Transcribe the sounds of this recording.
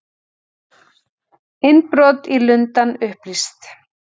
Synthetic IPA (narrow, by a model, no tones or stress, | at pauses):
ɪnpɾɔt̪ilʏnt̪anʏhplist̪